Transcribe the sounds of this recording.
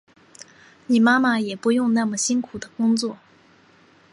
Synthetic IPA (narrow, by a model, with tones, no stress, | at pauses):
ni˨˩ma˥ma˨jɛ˨˩pu˧˥jʊ˥˧ŋna˥˩mə˩ɕi˥ŋkʰu˨˩d̪ə˦kʊ˥ŋt͡swɔ˥˩